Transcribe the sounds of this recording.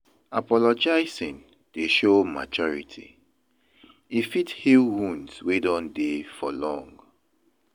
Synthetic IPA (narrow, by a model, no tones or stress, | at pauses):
apɔlɔd͡ʒaɪsĩn | d̥eʃoma̰t͡ʃɔɹḭtʰḭ | ifithilwũndswedɔ̃ndefɔlɔ̃ŋɡ